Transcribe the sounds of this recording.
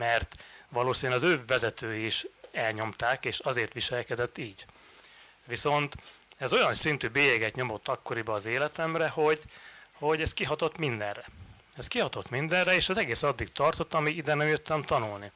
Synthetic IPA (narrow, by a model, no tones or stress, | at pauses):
mɛrt̪ʋɒloːsinɛlɒzøːvɛzɛt̪øːjiiʃɛlɲo̞mt̪aːkeːʃɒzeːrt̪ʋiʃɛlkɛd̪ɛt̪ːiːɟ | ʋiso̞nt̪ɛzo̞jɒnsint̪yːbeːjɛɡɛt̪ɲo̞mo̞t̪ːɒkːo̞ɾibɒːzeːlɛt̪ɛmrɛho̞ɟho̞ɟɛst̪̚kiɦɒt̪o̞t̪mind̪ɛrɛ | ɛst̪kiɦɒt̪ot̪mind̪ɛrrɛeːʃɒzɛɡeːsɒd̪ːiɡt̪ɒrt̪o̞t̪ːɒmiid̪ɛnɛmjøt̪ːɛmt̪ɒnulni